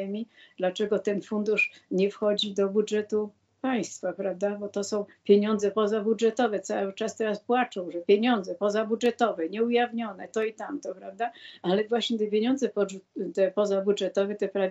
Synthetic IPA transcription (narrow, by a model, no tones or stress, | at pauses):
mʲid̪lat͡ʂɛɡɔt̪ɛnfund̪uʂɲɛfxɔd͡ʑid̪ɔbudʐɛt̪u | paj̃st̪fapɾavd̪abɔt̪ɔsɔ̃w̃pʲjeɲɔnd̪zɛpɔzabudʐɛt̪ɔvɛt̪sawɘt͡ʂast̪ɛɾaspwat͡ʂɔ̃w̃ʐɛpʲjeɲɔnd̪zɛpɔzabudʐɛt̪ɔvɛɲɛujavɲɔnɛt̪ɔit̪amt̪ɔpɾavd̪aalɛvwaɕɲɛt̪ɛpʲjeɲɔ̃nd̪zɛpɔt̪ɛpɔzabudʐɛt̪ɔvɛt̪ɛpɾav